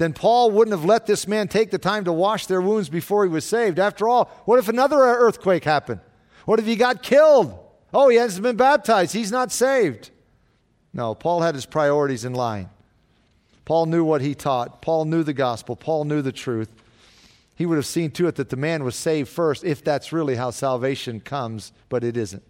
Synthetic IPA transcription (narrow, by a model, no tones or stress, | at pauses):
ðɨ̃npʰɔlˠwʊdⁿn̩təvlɛt̪̚ðɪsmæ̃ntʰeɪk̚ðɨtʰãɪ̃mtəwɑʃðə˞wũndzbɨfɔɹiwʌz̥seɪvdæftə˞ɔlˠwʌɾɨfɨnʌðə˞ɜ˞θkʰw̥eɪkhæpɨ̃nd̥̚ | wʌɾɨv̥iɡɑt̚kʰɪlˠd | oʊiɨzɨ̃mɨ̃nbæb̚tʰaɪzd̥̚hiznətseɪvd̥ | noʊpʰɔlˠɨɾ̚ɨz̥pʰɹ̥aɪɔɹɨɾizɨ̃nlãɪ̃n | pʰɔlˠnjʉwʌt̚hitʰɔt̚pʰɔlˠnjʉðɨɡɑspl̩ˠpʰɔlˠnjʉðɨtʰɹ̥ʉθ | hiwʊɾɨv̥sĩntʰɨɨt̪̚ðɨt̪̚ðɨmæ̃nwʌz̥seɪvd̥fɜ˞stɪfðætsɹɪlˠiɦaʊsælˠveɪʃɨ̃nkʰʌ̃mzb̥ʌɾɨɾɪzɨ̰̃nt̚